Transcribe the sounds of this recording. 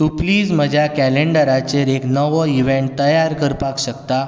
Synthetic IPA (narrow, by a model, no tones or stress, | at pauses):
t̪upliːd͡zm̤əd͡ʑʱjakæleɳɖəɾat͡seɾeknəʋəiʋẽɳʈ̚t̪əjaɾkəɾpakɕəkt̪a